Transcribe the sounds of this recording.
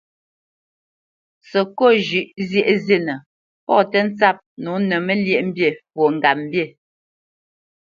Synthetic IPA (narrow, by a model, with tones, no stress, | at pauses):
sə˨ko˦˨ʒʉ˨ʔzjɛ˦˨ʔze˦˨nə˨ | pɔ̰˦˨tɛ˦n̩˦t͡sa˦˨p̚nu˨˦nɛ˨mɛ˦ljɛ˦ʔm̩˦bje˦˨pwo˨ŋ̩˨ɡa˨m̩˦bje˦˨